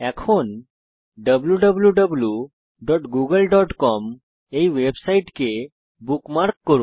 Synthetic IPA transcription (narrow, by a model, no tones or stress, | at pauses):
ɛ̃kʰon | ɖəbljuɖəbljuɖəblju | ɖɔʈɡuɡəlɖɔʈkɔm | eiʋebsaiʈke | bukmaɾkːəɾũːn